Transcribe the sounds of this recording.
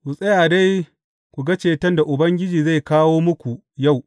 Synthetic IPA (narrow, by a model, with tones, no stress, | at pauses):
wʊ˨sʼɐ˦jaː˨da˦j | kʷu˨ɡa˦t͡ʃeː˨tɐ˦nda˨ʔʊ˨bɐ˦ŋɡʲɪ˦d͡ʒiː˨za˦˨jkaː˦woː˦mʊ˦kʷu˨ | ja˦˨w